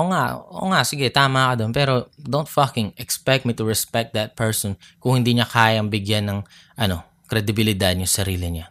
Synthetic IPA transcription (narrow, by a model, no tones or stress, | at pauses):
ʔʔoːŋaʔʔo̰ːŋaʔsɪɡɛt̪aːmɐkod̪onpɛːɾo̞d̪ownt̪fɐkɪ̃ŋʔɛkspɛk̚t̪̚mit̪ʊɹɛspɛk̚t̪̚d̪ɐt̪̚pɛɹsɔnkʊŋhɪnd̪iːɲɐkʰaːjɐŋbɪɡjanːɐŋ | ʔɐno̞ | kɾɛd̪ɪbɪlɪd̪ad̪̚jʊŋsɐɾiːlɪɲa